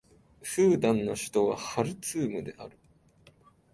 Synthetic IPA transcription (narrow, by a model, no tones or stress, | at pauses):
ɸɯːd̪ãnːo̞ɕi̥t̪o̞βa̰haɾɯ̟t͡sɨːmɯ̟d̪e̞̰ʔa̰ɾɯ̟